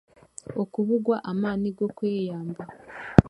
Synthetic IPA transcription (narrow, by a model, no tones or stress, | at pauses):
okuβuɡwaʔamaːniɡo̞kweːjaːmba